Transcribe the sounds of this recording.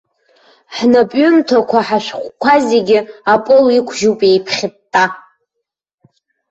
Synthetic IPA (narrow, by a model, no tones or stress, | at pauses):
ħnapʼɥʊmtʰakʷʰaħaʃʷᶣχʷkʷʰazeɡʲɪapʼolikʷʰʒuwpʼejpʰχʲɪtʼːa